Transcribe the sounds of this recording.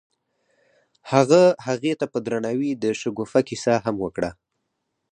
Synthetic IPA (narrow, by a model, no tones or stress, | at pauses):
haɣahaɣet̪apəd̪ɾanawid̪əʃəɡofakisaɦamwəkɽa